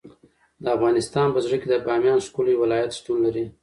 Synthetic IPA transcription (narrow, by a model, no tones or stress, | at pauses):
d̪əafɣɑnɪst̪ɑnpəzɽəked̪əbɑmjɑnskuljwɪlɑjat̪ʃʈ̪unlaɾi